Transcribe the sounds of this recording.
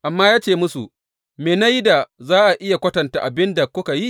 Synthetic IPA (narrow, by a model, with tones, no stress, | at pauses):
ʔa˨mːaː˦jaː˦t͡ʃeː˦˨mʊ˦sṵ˨ | meː˨na˦jda˨zaː˦ʔa˨ʔɪ˦ja˨kʷɐ˦tɐ˨nta̰˨ʔa˨bɪ˦nda˨kʷʊ˦ka˨ji˦